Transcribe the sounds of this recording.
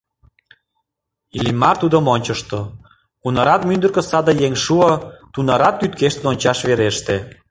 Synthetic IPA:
ilimɑrt̪ud̪əmonʲt͡ɕəʃt̪o | unɑɾɑt̪mynd̪ərkə̆sɑd̪əjeŋʃuot̪unɑɾɑt̪ːyt̪keʃt̪ənonʲt͡ɕɑʃβeɾeʃt̪e

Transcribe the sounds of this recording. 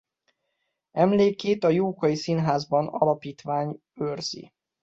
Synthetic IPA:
ɛmleːkːeːt̪ɒjoːkɒjisinɦaːzbɒnɒ̰lɒpiːt̪ʋaːɲ | ørz̥ḭ

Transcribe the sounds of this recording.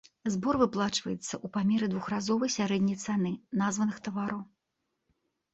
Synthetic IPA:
zbɔrvɨplˠat͡ʂvɐjɛt̪sːɐʔupamʲɛɾɨd̪vuxrazɔvɐjsʲaɾɛd̪ʲnʲɐjt̪sanɨnazvɐnɨxt̪ɐvaɾɐw

